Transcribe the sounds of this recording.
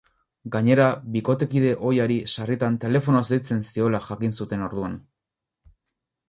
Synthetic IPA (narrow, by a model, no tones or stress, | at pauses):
ɡaɲe̞ɾaβiko̞t̪e̞kið̞e̞ʔo̞jaɾisarit̪ant̪e̞le̞fo̞nozejt͡se̞nsio̞laʝakinsut̪e̞no̞ɾðuan